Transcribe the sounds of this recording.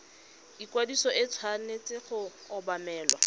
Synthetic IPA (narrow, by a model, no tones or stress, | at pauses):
ikwadisɔʔɪt͡sʰwanet͡sʼɪχʊːbamɛːlwa